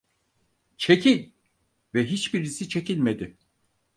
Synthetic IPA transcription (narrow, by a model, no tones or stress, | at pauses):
t͡ʃʰe̞cʰilʲ | vɛɦit͡ʃbiɾisit͡ʃʰe̞cilʲmed̪ɪ